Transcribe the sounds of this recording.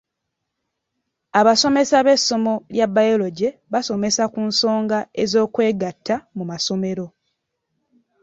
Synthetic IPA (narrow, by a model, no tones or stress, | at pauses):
aβaso̞me̞saβe̞sːo̞mo̞ljabːajolo̞ɟe̞βaso̞me̞sakunso̞ːŋɡaezo̞ːkwe̞ːɡatʰːamumaso̞me̞ɾo̞